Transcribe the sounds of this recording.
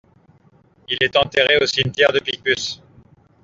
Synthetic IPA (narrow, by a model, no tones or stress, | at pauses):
ilɛt̪ɑ̃t̪eʁeosimt̪jɛʁd̪əpik̚pys